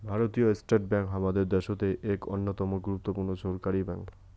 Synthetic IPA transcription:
bʱaɾot̪ioesʈeʈbɛŋkɦamad̪eɾd̪ɛʃot̪eʔeko̰nːot̪ɔmoɡɾup̚t̪opuɾnoʃoɾkaɾibɛ̰ŋk

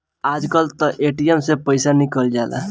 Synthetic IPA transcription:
ad͡ʒkalt̪əʔeʈiemsepəjsanikəld͡ʒala̰

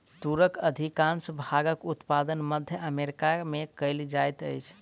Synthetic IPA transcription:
t̪uɾəkəd̪ʱikansəbʱaɡəkut̪pad̪ənməd̪ʱjəʔəmeɾikamekəɪld͡ʒajt̪ə̰jt͡ʃʰ

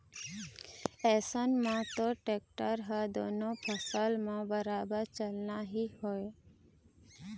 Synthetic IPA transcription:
ɛːsənmãt̪oʈeːk̚ʈəɾɦəd̪oːnõpʰəsaːlmãbəɾaːbəɾt͡ʃəlnaɦihoe

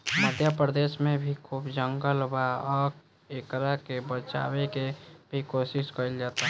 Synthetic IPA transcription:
məd̪ʱjəpɾəd̪eːsmẽbʱikʰupd͡ʒəŋɡəlbaɔ | ekɾakebət͡ʃa̰ːwekebʱikoːsɪʃkəɾild͡ʒat̪a

